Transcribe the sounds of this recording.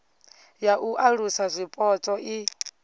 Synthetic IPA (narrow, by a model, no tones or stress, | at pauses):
jaʔuʔaɺusazʷipʼɔt͡sʼɔʔi